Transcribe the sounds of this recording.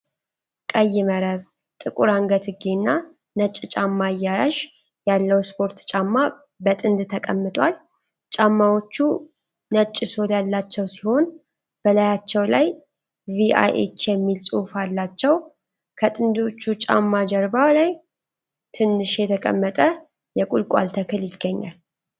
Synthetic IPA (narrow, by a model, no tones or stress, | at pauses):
kʼəjːɪməɾəβ | t̪ʼɨkʼuɾaŋɡət̪ʰɨɡenːa | nət͡ʃʼːt͡ʃʼamːaɨjːajaʃ | jalːəwspʰo̞ɾt̪t͡ʃʼamːa | bət̪ʼɨnd̪t̪ʰəkʼəmːɨt̪ʼwal | t͡ʃʼamːawo̞t͡ʃːu | nət͡ʃʼːɪso̞d̪jalːat͡ʃːɛwsi̥ho̞n | b̥əlajat͡ʃːɛwlaj | viʔa̰jʔḛt͡ʃːjɛmːilsʼufalːat͡ʃːɛw | kʰət̪ʼɨnd̪o̞t͡ʃːut͡ʃʼa̰mːad͡ʒɛɾbawlaj | t̪ʰɨnːɨʃjɛt̪ʰəkʼə̰mːət̪ʼə | jɛkʼulkʼa̰lt̪ʰəkʰɨljɪɡ̥ːəɲːa̰l